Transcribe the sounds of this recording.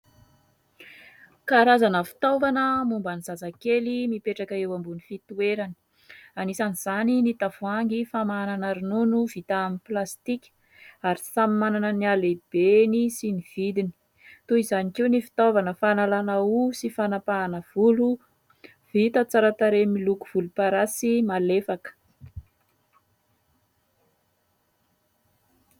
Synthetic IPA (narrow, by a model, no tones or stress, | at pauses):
kaɾazanəfi̥t̪ovanəmumbaniz̥azakelimipeʈ͡ʂakəewambunifit̪ueɾanə̥ | anisaniz̥aninit̪afuaŋɡifamananaɾinunuvit̪aaminplast̪ikʲə̥ | aɾisamimananənialeb̥enisiniv̥id̪ini̥ | t̪uizanikenifi̥t̪ovanəfanalanausifanapaːnəv̥ulu | v̥it̪ət͡saɾat̪aɾemiluku̥v̥ulupaɾasimalefakə̥